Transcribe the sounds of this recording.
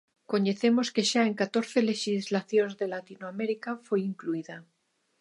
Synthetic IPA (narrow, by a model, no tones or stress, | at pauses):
ko̞ɲeθe̞mo̞ske̞ʃaeŋkat̪o̞ɾθe̞le̞ʃizlaθjonzðe̞lat̪inoame̞ɾikafweiŋkluiða